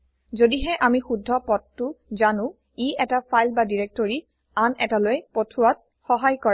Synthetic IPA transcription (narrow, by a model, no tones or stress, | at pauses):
zodiɦɛʔamixudʱːɔpɔtːʊzanʊ̃ | iɛtapʰajlbadiɹek̚toɹi | anɛtalojpotʰuat̚ | xɔɦajkɔɹ